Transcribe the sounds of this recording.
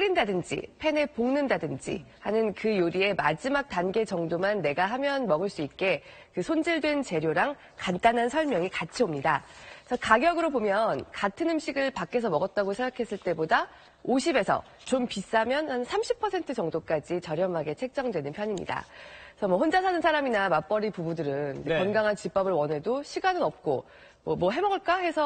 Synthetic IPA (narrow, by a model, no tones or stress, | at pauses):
ɾindadɯnd͡ʑḭpʰe̞ne̞poŋnɯndadɯnd͡ʑḭhanɯnkɯjoɾie̞mad͡ʑimak̚t͈anɡe̞t͡ɕʌŋdomanːe̞ɡaɦamjʌnmʌɡɯɭs͈uit̚k͈e̞ | kɯsʰond͡ʑiɭdwe̞nt͡ɕe̞ɾjoɾaŋ | kant͈anɦansʰʌɭmjʌŋikat͡ɕʰiomɲidat͡ɕʰʌkaɡjʌɡɯɾobomjʌnkatʰɯnɯmɕʰiɡɯɭpak͈e̞s̬ʰʌmʌɡʌt̚t͈aɡosʰeŋɡakʰe̞s͈ɯɭt͈e̞boda | oɕʰibe̞sʰʌ̰ | t͡ɕompis͈amjʌnhansʰamɕʰipʰːʌsʰe̞ntʰɯt͡ɕʌŋdok͈ad͡ʑit͡ɕʌɾjʌmaɡe̞t͡ɕʰe̞k̚t͡ɕ͈ʌŋdwe̞nɯnpʰjʌɲimɲḭda̰sʰʌmwʌhond͡ʑasʰanɯnsʰaɾaminamap͈ʌɾipubudɯɾɯnekʌnɡaŋɦant͡ɕip͈ʌbɯɭwʌnɦe̞doɕʰiɡanɯnʌp̚k͈o̰ | mwʌmwʌɦe̞mʌɡɯɭk͈ahe̞sʰʌ